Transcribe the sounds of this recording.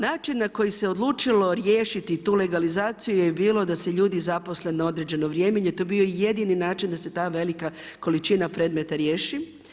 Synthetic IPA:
naːt͡ʃinːako̞jise̞od̪lˠuːt͡ʃilo̞ɾjeːʃit̪it̪uːle̞ɡalizaːt̪sijujebiːlˠo̞d̪aseʎuːd̪izaposlenao̞d̪ɾed͡ʑe̞no̞ʋɾjeːmeɲet̪o̞bio̞ije̞d̪ininaːt͡ʃind̪ase̞t̪aːʋe̞lika | ko̞lit͡ʃinapɾe̞ːd̪me̞t̪aɾjeːʃi

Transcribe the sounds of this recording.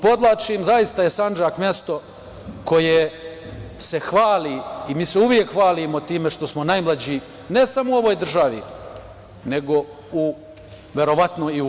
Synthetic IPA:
po̞d̪lˠat͡ʃimzajist̪aje̞sand͡ʒakmʲjest̪o̞ | ko̞je | se̞xʋaːliimiːseuʋje̞kxʋaːlimo̞t̪iːme̞ʃt̪o̞smonajmlˠad͡ʑi | ne̞samouo̞ʋo̞ːjd̪r̩ʒaʋḭ | ne̞ɡo̞ | u | ʋe̞ɾo̞ʋat̪noi

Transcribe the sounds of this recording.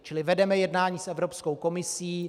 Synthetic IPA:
t͡ʃɪlɪvɛdɛmɛjɛdnaːɲiːsʔɛvɾopskowko̞mɪsiː

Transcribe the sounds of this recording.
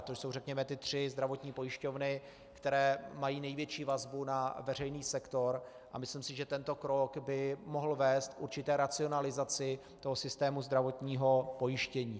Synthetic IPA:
t̪oʃso̞wrɛkɲɛmɛt̪ɪt̪r̝̥ɪzd̪ɾavo̞t̪ɲiːpo̞jɪʃco̞vnɪ | kt̪ɛɾɛːmajiːnɛjvjɛt͡ʃiːvazbunavɛr̝ɛjniːsɛkt̪o̞ɾ | ʔamɪsliːmsɪʒɛt̪ɛnt̪o̞kɾokbɪmo̞ɦl̩vɛːst̪kʔuɾt͡ʃɪt̪ɛːɾat͡sɪonalɪzat͡sɪ | t̪o̞ɦosɪst̪ɛːmuzd̪ɾavo̞t̪ɲiːɦo̞po̞jɪʃcɛɲiː

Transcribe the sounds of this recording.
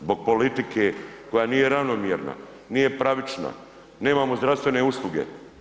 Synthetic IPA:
zbo̞ɡ̚po̞lit̪ikʰeko̞jaːniːje̞ɾaʋnomjiɾna̰ | niːje̞pɾaʋit͡ʃna̰ | ne̞ːmamozd̪ɾaʋst̪ve̞ne̞uslˠuɡe̞̰

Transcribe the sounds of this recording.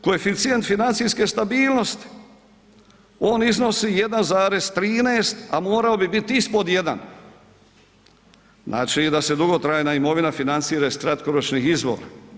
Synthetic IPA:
koefit̪sije̞nt̪finant̪sijskest̪abiːlˠno̞st̪i̥ | o̞ːnizno̞sije̞d̪anzaːɾe̞st̪ɾiːneːst̪amoːɾaobibit̪ispod̪je̞d̪a̰n | znʔa̰ːt͡ʃid̪ase̞d̪uɡo̞t̪ɾajnaimo̞ʋinafinant̪siːɾaiskɾat̪ko̞ɾot͡ʃnixizbo̰ːɾa̰

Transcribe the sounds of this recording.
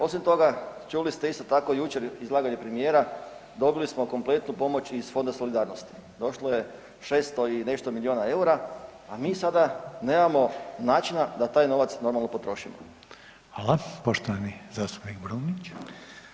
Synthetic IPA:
o̞simt̪o̞ɡat͡ʃulist̪eist̪o̞t̪ako̞jut͡ʃe̞ɾizlˠaːɡaɲepɾemije̞ːɾad̪o̞bilismo̞ko̞mplˠe̞t̪nupo̞mo̞t͡ʃisfo̞nd̪aso̞lid̪aːɾnost̪i̥d̪o̞ʃloje̞ | ʃe̞st̪o̞ine̞ʃt̪o̞milionae̞uɾaamiːsad̪ane̞ːmamo̞naːt͡ʃinad̪at̪aːjno̞ʋat̪sno̞ɾmalno̞po̞t̪ɾo̞ʃimo | falapoʃt̪oʋanizaːst̪u̥pnikbɾunit͡ɕ

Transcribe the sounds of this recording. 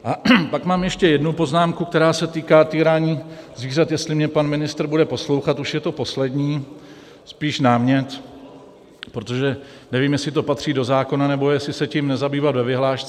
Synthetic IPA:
ʔapakmaːmjɛʃcɛjɛdnupo̞znaːmkukt̪ɛɾaːsɛt̪iːkaːt̪iːɾaːɲiːzviːrat̪jɛst̪lɪmɲɛpanmɪnɪst̪ɾ̩budɛpo̞slo̞wxat̪uʃjɛt̪o̞po̞slɛdɲiː | spiːʃnaːmɲɛt̪ | pɾot̪o̞ʒɛ | nɛviːmjɛslɪt̪o̞pat̪r̝̥iːdo̞zaːko̞nanɛbo̞jɛslɪsɛcimnɛzabiːvat̪vɛvɪɦlaːʃt͡sɛ

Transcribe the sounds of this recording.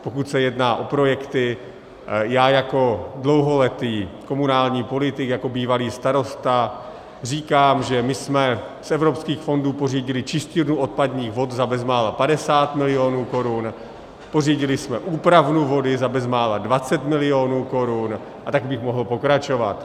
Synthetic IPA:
po̞kut̪sɛjɛdnaːʔo̞pɾo̞jɛkt̪ɪ | jaːjako̞dlo̞wɦo̞lɛt̪iːko̞munaːlɲiːpo̞lɪt̪ɪkjako̞biːvaliːst̪aɾo̞st̪a | r̝iːkaːmʒɛmɪsmɛsɛvɾo̞pskiːxfo̞nduːpo̞riːɟɪlɪt͡ʃɪscɪɾnuʔot̪̚padɲiːxvo̞t̪zabɛzmaːlapadɛsaːt̪mɪlɪjo̞nuːko̞ɾun | po̞riːɟɪlɪsmɛʔuːpɾavnuvo̞dɪzabɛzmaːladvat͡sɛt̪mɪlɪo̞nuːko̞ɾun | ʔat̪aɡbɪxmo̞ɦl̩po̞kɾat͡ʃo̞va̰t̪

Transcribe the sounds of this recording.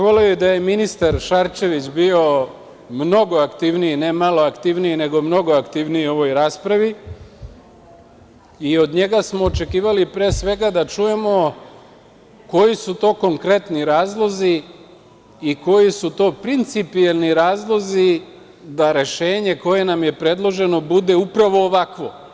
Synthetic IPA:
ʋoleojed̪aje̞minist̪aɾʃaɾt͡ʃe̞ʋit͡ɕbio̞ | mno̞ɡo̞akt̪iʋniine̞malo̞akt̪iʋniine̞ɡo̞mno̞ɡoakt̪iʋnijio̞ʋo̞jɾaːspɾaʋi | io̞d̪ɲe̞ɡasmoːt͡ʃe̞kiːʋalipɾeːsʋe̞ɡad̪at͡ʃuje̞mo̞ | ko̞jisut̪o̞ːko̞ŋkɾe̞t̪niɾaːzlˠo̞zi | ko̞jisut̪o̞ːpɾint̪sipialniɾaːzlˠo̞zi | d̪aɾe̞ʃe̞ːɲe̞ko̞je̞namje̞pɾe̞d̪lˠo̞ʒe̞no̞bud̪e̞upɾaʋo̞ːʋakʋo̞

